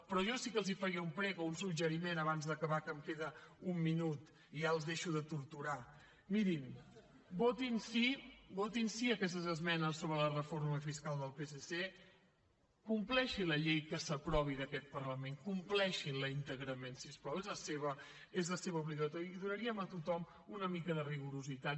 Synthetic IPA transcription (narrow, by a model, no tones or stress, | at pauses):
pɾɔʒɔsikəlˠzifəɾiəumpɾɛɣounsud͡ʒəɾimenəβanzðəkəβakəmkeðəumːinut̪ | iʒaəlˠzðeʃuðət̪uɾt̪uɾa | miɾim | bot̪insibot̪insiəkɛs̬t̪əzəzmɛnəsːoβɾələrəfoɾməfiskalˠd̪əlˠpesese | kumplɛʃiləʎejkəsəpɾɔβiðəkɛt̪̚pərləmeŋkumplɛʃinləint̪əɣɾəmensispɾɔwezləseβə | ezləseβəuβliɣət̪ɔɾiːðuɾəɾiəmət̪ut̪ɔm | unəmikəðəriɣuɾuzit̪at̪̚